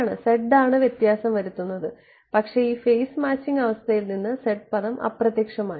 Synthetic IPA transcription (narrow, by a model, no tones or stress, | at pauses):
ɳɨse̞ʈːaːɳɨʋjet̪jaːsɐmʋɐɾut̪ːunːɐðɨ | pɐkʂe̞iːfejsmaːt͡ɕːiŋɡɐʋɐst̪ʰɐjilninːɨseʈ̚pɐðɐmʔɐ̰prɐt̪jeːkʂɐmaːi